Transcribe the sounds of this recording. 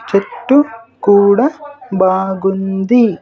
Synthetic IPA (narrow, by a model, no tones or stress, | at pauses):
t͡ʃeʈːukuːɽɐbaːɡund̪i